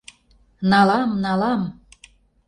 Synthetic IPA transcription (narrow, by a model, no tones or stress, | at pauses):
nɑlɑmnɑlɑm